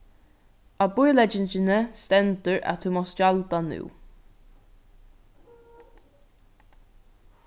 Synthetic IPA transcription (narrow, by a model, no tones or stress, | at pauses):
abʊjlɛd͡ʒɪnt͡ʃɪnəst̪ɛnt̪əɹa̰t̪ʰhumɔst͡ʃalt̪anʉ̰ː